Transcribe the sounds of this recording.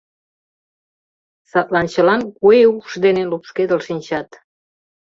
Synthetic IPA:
sɑt̪lɑnt͡ɕə̆lɑnkueukʃd̪enelupʃked̪ə̆lʃinʲt͡ɕɑt̪

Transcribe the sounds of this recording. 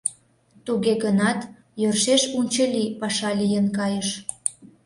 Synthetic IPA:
t̪uɣeɣənɑt̪ | jørʃeʃunʲt͡ɕəlʲipɑʃɑlijənkɑjəʃ

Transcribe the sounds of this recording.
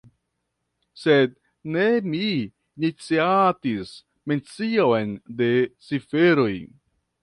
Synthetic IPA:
sed̪̚ | ne̞miː | nit͡siatis | ment͡sionde̞t͡sifeɾo̞j

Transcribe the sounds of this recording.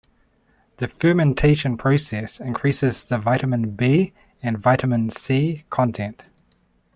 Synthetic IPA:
ðəfɜːmɛ̃ntʰeɪʃə̃npʰɹ̥əʊsɛsɪ̃nkʰɹ̥iˑsɪzðəvaɪɾəmə̃nbiː | ə̃nvaɪɾəmə̃nsiːkʰɒ̃ntʰɛ̃nt

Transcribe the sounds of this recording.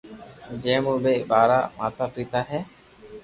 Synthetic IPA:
d͡ʒemũbeʔbaɾaʔmat̪apɾit̪aɦɛ

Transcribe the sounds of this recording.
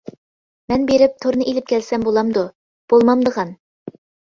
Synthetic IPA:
mɛnbeɾɪp̚t̪ʰoɾnɨʔilɪp̚kʲælsæmbolˠɑmd̪ʊ | b̥olˠmɑmd̪əʁɑn

